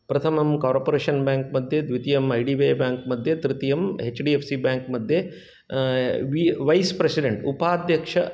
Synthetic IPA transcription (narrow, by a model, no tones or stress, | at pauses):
pɾɐt̪ʰɐmɐmkaːɾpoɾeːʃɐnbjaːŋkmɐd̪ʱjed̪ʋit̪ijɐmɐjɖiʋeːbaːŋkmɐd̪ʱjɐt̪ɾit̪ijɐmet͡ʃɖiepʰsibʲjaːŋkmɐd̪ʱje | ʋiʋɐjspɾesiɖeɳʈupaːd̪ʱjɐkʂɐ